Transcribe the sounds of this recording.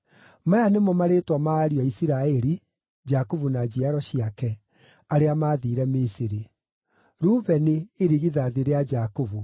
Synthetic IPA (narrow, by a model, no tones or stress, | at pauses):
majanemɔmaɾetwamaɾiɔisiɾaɛɾi | d͡ʒakovunad͡ʑiaɾɔɕiakɛ | aɾeamaːðiɾɛmisiɾi | ɾuːβɛneːɾiɣiðaːðeɾead͡ʒakovu